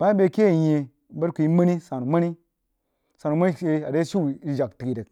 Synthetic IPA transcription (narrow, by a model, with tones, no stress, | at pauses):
b̥a˦i˦be˨ke˦˨je˨˦ | bə˦ɾku˨i˦ma˦ni˦sa˨nu˨ma˦ni˦ | sa˨nu˨ma˦ni˦ʃe˦a˨de˦ʃi˦˨i˦d͡ʒa˨kti˨ki˨də˨k̚